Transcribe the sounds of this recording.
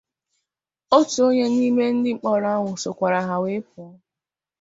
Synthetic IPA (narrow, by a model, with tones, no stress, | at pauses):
o˦tu˨o˦ɲe˦ni˦me˦n̩˦dɪ˦˨k͡pɔ˦ɾa˦ŋʷʊ˨so˨kʷa˨ɾa˨ɦa˨we˦pʊ˨˦